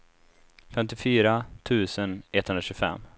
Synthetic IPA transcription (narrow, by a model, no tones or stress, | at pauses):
fɛmt̪ɪfyːɾat̪ʰʉ̟ːsənɛt̪ʰːhɵnɾaɕɵfɛ̰mː